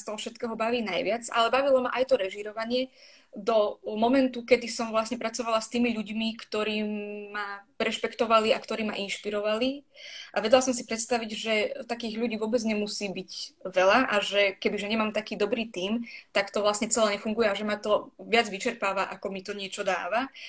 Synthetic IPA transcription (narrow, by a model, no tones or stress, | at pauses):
st̪ɔɦɔfʃɛt̪̚kɛːɦɔbaʋiːnajʋɪat͡sa̰lɛbaʋilɔmaʔajt̪ɔɾɛʒiɾɔʋaɲɪɛ | d̪ɔmɔmɛnt̪ukɛd̪isɔmʋlasɲɛpɾat͡sɔʋalast̪iːmiʎuɟmikt̪ɔɾiːaɾɛʃpɛkt̪ɔʋaliakt̪ɔɾiːma̰ʔinʃpiɾɔʋaliʔaʋɛɟlasɔmsipɾɛt̪st̪aʋiɟʒɛt̪akiːɣʎuɟiːʋʊɔbɛd͡zɲɛmusiːbiɟʋɛlaʔaʒɛkɛbiʒɛɲɛmaːmt̪akiːd̪ɔbɾiːt̪iːmt̪akt̪ɔʋlasɲɛt͡sɛlɛɲɛfuŋɡujɛaʒɛmat̪ɔʋɪad͡zʋit͡ʃɛɾpaːʋaʔakɔmit̪ɔɲɪɛt͡ʃɔd̪a̰ːʋa